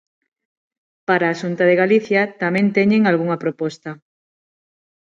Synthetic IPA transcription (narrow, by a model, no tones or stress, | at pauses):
paɾaːʃunt̪aðeɣaliθjat̪amẽnt̪eɲẽŋalɣuŋɐpɾopɔst̪ɐ